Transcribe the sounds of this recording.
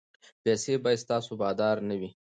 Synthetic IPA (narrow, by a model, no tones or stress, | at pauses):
pɛsebɑjad̪st̪ɑsobɑd̪ɑɾnəwi